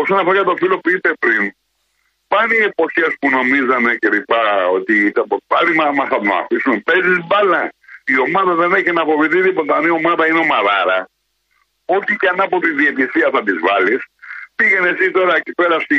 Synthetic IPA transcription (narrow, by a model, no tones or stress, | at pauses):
o̞sonɐfoɾɐjet̪o̞filo̞puipe̞pɾin | pɐniepo̞çe̞spuno̞mizɐnece̞lipɐo̞t̪it̪ɐpopɐlimɐmɐθɐðonnɐ̰fisumepe̞zizbɐlɐio̞mɐðɐðe̞ne̞çinɐfo̞viθiðipot̪ɐnio̞mɐðɐineo̞mɐðɐɾɐ | o̞çicɐnɐpo̞t̪iðie̞t̪iθiɐθɐt̪izvɐlispiʝe̞ne̞sit̪o̞ɾɐecipe̞ɾɐst̪i